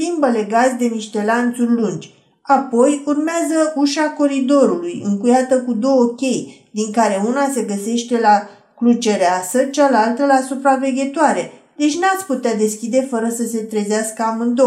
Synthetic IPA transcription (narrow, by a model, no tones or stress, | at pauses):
limbəle̞ɡatsd̪e̞miʃt̪e̞lant̪surʲlund͡ʒʲ | apo̞jurmeazəuʃako̞ɾid̪o̞ɾulujɨ̰ŋkujat̪əkud̪o̞wəkʲe̞jd̪iŋkaɾe̞unase̞ɡəse̞ʃt̪e̞la | klut͡ʃe̞ɾeasət͡ʃalalt̪əlasupɾave̞ɡʲe̞t̪oaɾe̞ | d̪e̞t͡ʃʲnat̪sʲput̪ead̪e̞skʲid̪e̞fəɾəsəse̞t̪ɾezeaskəamɨnd̪o